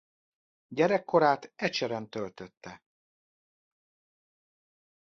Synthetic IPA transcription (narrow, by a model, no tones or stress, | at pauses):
ɟɛɾɛkːo̞ɾaːt̪ɛt͡ʃɛɾɛnt̪ø̞lt̪øt̪ːɛ